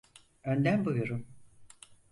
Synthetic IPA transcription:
ønd̪æmbujoɾum

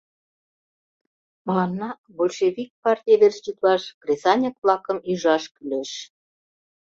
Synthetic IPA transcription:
məlɑnːɑ | bolʲʃevik̚pɑrtʲijeβerst͡ɕit̪lɑʃkrʲesɑnʲekvlɑkə̆myʒɑʃkyleʃ

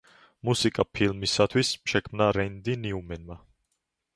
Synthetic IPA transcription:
musikʼapʰilmisat̪ʰwismʃɛkʰmnaɾɛnd̪iniumɛnma

